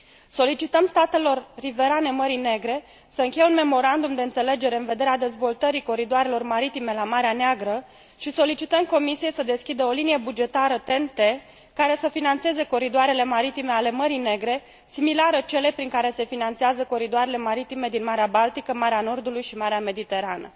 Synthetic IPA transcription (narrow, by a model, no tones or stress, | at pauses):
so̞lit͡ʃit̪əmst̪at̪e̞lo̞rːive̞ɾane̞məɾine̞ɡɾe̞ | səɨŋkʲe̞jeunme̞mo̞ɾand̪umd̪e̞ɨnt̪se̞le̞d͡ʒe̞ɾe̞ɨnve̞d̪e̞ɾead̪e̞zvo̞lt̪əɾiko̞ɾid̪oaɾe̞lo̞rmaɾit̪ime̞lamaɾeaneaɡɾə | ʃiso̞lit͡ʃit̪əmko̞misije̞jsəd̪e̞skʲid̪əo̞linije̞bud͡ʒe̞t̪aɾət̪e̞nt̪e̞ | kaɾe̞səfinant̪se̞ze̞ko̞ɾid̪oaɾe̞le̞maɾit̪ime̞ale̞məɾine̞ɡɾe̞ | similaɾət͡ʃe̞le̞pɾiŋkaɾe̞se̞finant̪seazəko̞ɾid̪oaɾe̞le̞maɾit̪ime̞d̪inmaɾeabalt̪ikəmaɾeano̞rd̪ulujʃimaɾeame̞d̪it̪e̞ɾanə̰